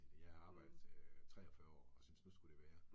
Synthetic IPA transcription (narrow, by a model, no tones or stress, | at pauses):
ljɑɑ̈ːb̥ɑ̈ɪ̰d̥ðˠt͡sʰʁɛːɒfœːɐɒ̰ːɒ̽synsnusɡ̥ud̥e̝ʋæːɐ